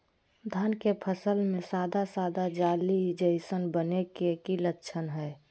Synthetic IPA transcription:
d̪ʱənkepʰəsəlmẽsaːd̪ʱasaːd̪ad͡ʒaːlid͡ʒəɪsənbənekekilətːʃʰənɦɛː

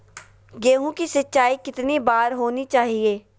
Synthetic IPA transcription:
ɡeːɦũkisɐtːʃaːikɪt̪nibaːɾɦoːnit͡ʃaːɦieː

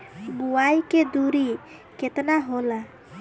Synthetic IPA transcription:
buajked̪uɾiket̪naɦola

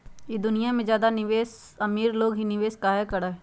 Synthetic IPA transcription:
jed̪ʊnijamẽzjaːd̪anɪʋeːs | ɐmiːɾloːɡɦinɪʋeːskaːekɐɾaːɦɛ

